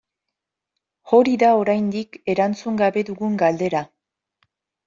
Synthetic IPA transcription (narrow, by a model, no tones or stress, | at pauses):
o̞ɾiðao̞ɾajnd̪ike̞ɾant͡suŋɡaβe̞ðuɣuŋɡald̪e̞ɾa